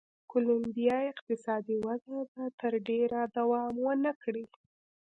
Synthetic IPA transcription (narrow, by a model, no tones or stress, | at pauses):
kʊlʊmbijɑɪqt̪ɪsɑd̪iwazad̪at̪əɾɖeɾad̪awɑmwənakɽi